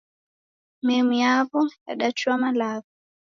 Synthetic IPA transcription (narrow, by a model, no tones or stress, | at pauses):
mɛmujavɔja̰ɗat͡ʃuamalavɔ